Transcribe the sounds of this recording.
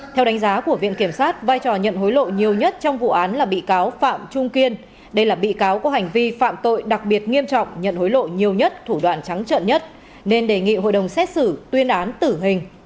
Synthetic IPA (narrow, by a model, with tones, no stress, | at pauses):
t̪ʰɛ˧wɗa˨˦ŋ̟zaː˨˦ku˧˩əvḭ˧˨ənki˧˩əmsaː˦˥t̚vaː˧jt͡ɕɔ˨˩ɲə̰˧˨nɦo˨˦jlo̰˧˨ɲi˨˩əwɲə˦˥t̚t͡ɕɔ˧wŋ͡mvṵ˧˨ʔaː˨˦nlaː˨˩ɓḭ˧˨kaː˨˦wfa̰ː˧˨mt͡ɕʊ˧ŋ͡mki˧ən | ɗə˧jlaː˨˩ɓḭ˧˨kaː˨˦wkɔ˨˦ha˨˩jŋ̟vi˧fa̰ː˧˨mt̪o̰˧˨jɗa˨˩k̚ɓi˨˩ət̚ŋi˧əmt͡ɕɔ̰˧˨wŋ͡mɲə̰˧˨nho˨˦jlo̰˧˨ɲi˨˩əwɲə˦˥t̚t̪ʰu˧˩ɗwa̰ː˧˨nt͡ɕa˨˦ŋt͡ɕə̰ː˧˨nɲə˦˥t̚ | ne˧nɗe˨˩ŋḭ˧˨ɦo̰˧˨jɗə˨˩wŋ͡msɛ˦˥t̚sɨ˧˩t̪wi˧ənʔaː˨˦nt̪ɨ˧˩ɦï˨˩ŋ̟